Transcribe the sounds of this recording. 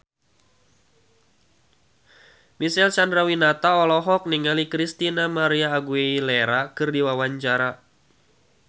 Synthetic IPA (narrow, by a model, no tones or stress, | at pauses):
misɛlsandɾawinat̪aɔlɔɦɔk̚niŋalikɾist̪inamaɾiaːɡueileɾakɨrdiwawaɲt͡ʃaɾa